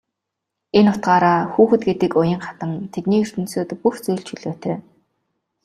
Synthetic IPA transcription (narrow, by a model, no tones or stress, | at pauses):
enʊt̪ɢaːɾaːxuːxɘ̆t̪̚ɡet̪ĭkʊjə̆ŋχat̪ə̆ŋt̪ʰet̪niːɵr̥t̪ɘ̆nsoːt̪puxt͡sujɬt͡ɕʰɵɮoːt̪ʰœː